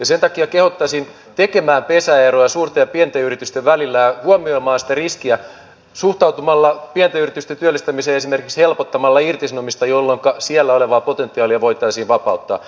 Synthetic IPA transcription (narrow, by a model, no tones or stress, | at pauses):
jɑsent̪ɑkiɑkehot̪ːɑsin | t̪ekemæːmpesæerojɑsuːrt̪ɑjɑpient̪eyrit̪yst̪eʋʋælilːæjɑhuɑmioimɑːnsi̥t̪æriskiæ | suht̪ɑut̪umɑlːɑpient̪æyrit̪yst̪ent̪yølːist̪æmiseːesime̞rkikshelpot̪ːɑmɑlːɑirt̪isnomist̪ɑjolːoŋkɑsiælːæoleʋɑːpot̪ent̪ːˑiɑːliɑʋoit̪ɑisiːʋʋɑpɑut̪ːɑ̰ː